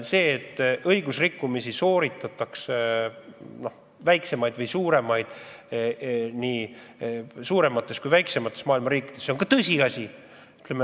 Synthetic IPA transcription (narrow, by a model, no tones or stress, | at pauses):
se̞ːt̪ːʔɤjɡ̥usrikːumisiso̞ːɾit̪ːˑɑt̪ːˑɑks | no̞h | væjkse̞mɑjd̪̥vɤjsuːɾe̞mɑjd̪̥ | niː | suːɾe̞mɑt̪ːˑe̞skujvæjkse̞mɑt̪ːˑe̞smɑːilmɑɾiːkːˑi̥d̪̥esːeoŋkɑt̪ɤsʲiɑsʲi | y̥t̪ːˑlemːe